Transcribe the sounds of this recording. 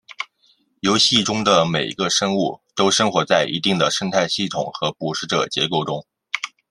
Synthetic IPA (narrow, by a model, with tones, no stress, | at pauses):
jo˧˥ʊɕi˥˩ʈ͡ʂʊ˥ŋd̪ə˨me˨˩ɪ˧ɡə˧ʂɤ˥ŋu˥˩t̪o˥ʊʂɤ˥ŋxwɔ˧˥t͡sa˥˩ɪʔḭ˧˥t̪i˥˩ŋd̪ə˩ʂə˥ŋt̪ʰa˥˧ɪɕi˥˩t̪ʰʊ̰˨˩ŋxɤ˧˥pu˨˩ʂɻ̩˥˩ʈ͡ʂɤə̰˨˩t͡ɕjɛ̰˧˥ko˥˩ʊʈ͡ʂʊ˥ŋ